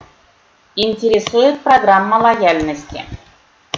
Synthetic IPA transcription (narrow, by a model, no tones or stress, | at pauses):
ɪnʲtʲɪɾʲɪsujɪt̪̚prɐɡramːəlˠɐjalʲnəsʲtʲɪ̰